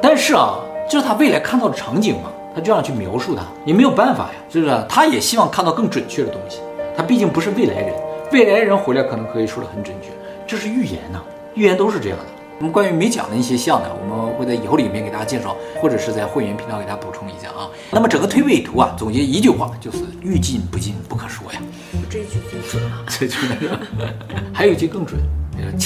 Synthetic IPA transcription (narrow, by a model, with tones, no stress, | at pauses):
t̪a˥˧nʂɻ̩˥˩ɐ̰˨˩t͡ɕjʊʂɻ̩˥˩t̪ʰa˥we˥˩ɪla˧˥ɪkʰa˥˧nt̪ɑ˥˩ʊdə˩ʈ͡ʂʰɑ˧˥ŋt͡ɕi˨˩ŋmɐ̰˦t̪ʰa˥t͡ɕjo˥˧ʊjɑ˥˧ŋt͡ɕʰy˥˩mjɑ̰˧˥ʊʂu˥˩t̪ʰa˥jɛ˨˩me˧˥ɪjo˨˩ʊpa˥˩nfa̰˨˩jɐ̰˦t͡ɕo˥˧ʂt̪ʰa˥jɛ˨˩ɕi˥wɑ˥˧ŋkʰnt̪ɑ˥˧ʊkɤ˥˩ŋʈ͡ʂwə˨˩nt͡ɕʰɥɛ˥˩ɾə˩t̪ʊ˥ŋɕi̥˨t̪ʰa˥pi˥˧t͡ɕi˥˩ŋpu˧˥ʂɻ̩˥˧we˥˩ɪla˧˥ɪəɻə˧˥nwe˥˩ɪla˧˥ɪəɻə˧˥nxe˧˥ljɑ˧˩kʰɤ˨˩nɤ˧˥ŋkʰɤ˧˥i˨˩ʂwɔ˥d̪ə˨xə˨˧˩nʈ͡ʂə˨˩nt͡ɕʰɥɛ˥˩ | ʈ͡ʂɤ˥˧ʂɻ̩˥˧y˥˩jɛ̰˧˥nɐ̰˨ | y˥˩jɛ˧˥nt̪o˥ʊʂɻ̩˥˧ʈ͡ʂɤ˥˧jɑ̰˥˩ŋd̪ə˩nɔ˥˩mə˧˦kwa˥ny˧˥me˧˥ɪt͡ɕjɑ̰˨˩ŋd̪ə˦i˥˩ɕ̬jɛ˥ɕjɑ˥˩ŋd̪ə̰˩wɔ̰˨˩mə˦nxwɪt͡sa˥˩ɪi˨˩xo˥˩ʊli˨˩mʲjɛ˥˩nke˨˩t̪a˥t͡ɕa˥t͡ɕjɛ˥˧nʂɑ˥˩ʊxwɔ˥˩ʈ͡ʂɤ˨˩ʂɻ̩˥˧t͡sa˥˧ɪxwa˥˧ɥɛ˧˥npʰi˧˥ŋt̪ke˨˩a˥pu˨˩ʈ͡ʂʰʊ˥ŋi˧˥ɕjɑ̰˥˩ŋʔɐ˧˩ | na˥˩mə˩ʈ͡ʂɤ˨˩ŋɡə˦t̪ʰwe˥˧ɪpe˥˩ɪt̪ʰu˧˥ɐ̰˧t͡sʊ˨˩ŋt͡ɕjɛ˧˥˧i˧˥t͡ɕy˥˧xwa̰˥˩t͡ɕjo˥˧ʊʂɻ̩˥˧˩y˥˧t͡ɕi˥˩npu˧˥t͡ɕi˥˩npu˥˩kʰə˨˩nʂwɔ̰˥jɐ̰˨˩ | ʈ͡ʂt͡swe˥˩ɪt͡ɕʰ | xjo˨˩ʊi˥ɕjkɤ˥˩ŋʈ͡ʂwə̰˨˩˦n˥